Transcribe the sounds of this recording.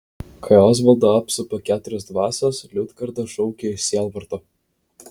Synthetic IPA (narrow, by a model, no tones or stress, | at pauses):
kʰɐjoːs̬ʋɐlˠd̪oɐpsʊpokʲæːt̪ʊɾʲɛsd̪ʋɑːsoslʲʊt̪kɐɾd̪ɐʃɔʊkʲeɪʃsʲiɛlˠʋɐɾt̪o